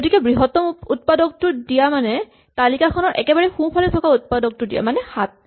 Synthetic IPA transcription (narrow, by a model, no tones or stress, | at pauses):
ɡotikɛbɹiɦɔtɔmut̚padɔk̚tʊdijamanɛ | talikakʰɔnɔɹʔɛ̰kɛbaɹɛxũpʰalɛtʰɔkaut̚padɔk̚tʊdija̰manɛxat̚